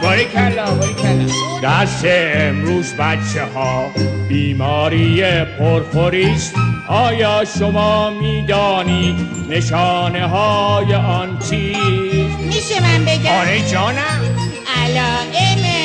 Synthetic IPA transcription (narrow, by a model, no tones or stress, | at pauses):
boɾekʰæloɾkʰld̪̥æst̪eːmɾuːzbæt̪t͡ʃʰːehɒːbiːmɒːɾiːjepʰoɾfoɾiːst̪ɒːjɒːʃomɒːmiːd̪ɒːniːd̪ | neʃɒːneɦɒːjeʔɒnt͡ʃʰiːzmiʃemænbeɡɒːɾed͡ʒɒːnæmʔælːeme